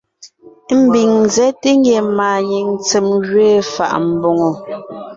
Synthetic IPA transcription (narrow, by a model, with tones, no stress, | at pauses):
m̩˨bi˨ŋzɛ˨˦te˦ŋ˦ɡe˨maː˨ɲi˨ŋ˦t͡se˨mɣɥeː˦˨fa̰˨ʔm̩˨bɔ˨ŋɔ˨